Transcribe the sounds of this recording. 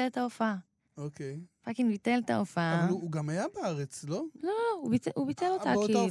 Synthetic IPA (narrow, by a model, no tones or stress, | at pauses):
elt̪aofa | okejfakinbitelta̰ofauuɡamajabeaʁet͡sloloubiubitelot̪aki